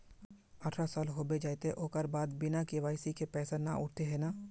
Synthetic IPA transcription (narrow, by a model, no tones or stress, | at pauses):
ɐʈʰɾasaːlɦoːbed͡ʒaːjt̪eʔoːkəɾbaːd̪bɪnakeʋaːɪsikepɛːsana̰ʔʊʈ̚ʰt̪eɦɛnaː